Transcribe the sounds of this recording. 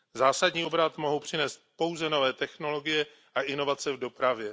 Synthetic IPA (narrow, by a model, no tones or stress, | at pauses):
zaːsadɲiːo̞bɾat̪mo̞ɦowpr̝̥ɪnɛːst̪̚po̞wzɛno̞vɛːt̪ɛxno̞lo̞ɡɪjɛ | ʔaʔɪno̞vat͡sɛvdo̞pɾavjɛ